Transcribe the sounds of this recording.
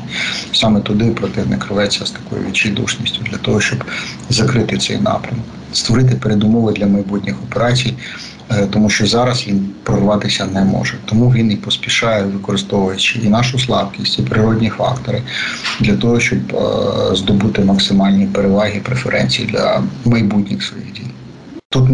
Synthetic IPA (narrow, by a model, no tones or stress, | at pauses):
sɑmɛt̪ʊd̪ɪpɾɔt̪ɪwnɪ̰kɾɪʋɛt͡sʲːɐst̪ɐ̥kɔjḭʋʲḭt͡ʃijd̪ṵʃnʲisʲtʲʊd̪lʲɐt̪ɔɦɔʃt͡ʃɔb | zɐkɾɪt̪ɪt̪sɛ̰jnɑ̰pɾʲɐmɔk | st̪ʋɔɾɪt̪̬ɪpeɾed̪ʊmɔʋɪd̪lʲɐmɐjbutʲnʲixɔpeɾɑt͡sʲij | t̪ɔmuʃt͡ʃɔzɑɾɐsʋʲinpɾɔrʋɑt̪ɪsʲɐnɛmɔ̰ʒɛt̪ɔmuʋʲinipɔsʲpʲiʃɑjɛʋɪkɔɾɪst̪ɔʋʊjɐt͡ʃɪinɑʃʊslˠɑbkʲisʲtʲipɾɪɾɔdʲnʲifɑ̰kt̪ɔɾɪd̪lʲɐt̪ɔɦɔʃt͡ʃɔbzd̪ɔbut̪ɪmɐksɪmɑlʲnʲipeɾeʋɑɦʲipɾefeɾʔɛ̰nʲt͡sʲijid̪lʲɐ̰mɐjbutʲnʲixsʋɔjḭɣdʲḭji | t̪ut̪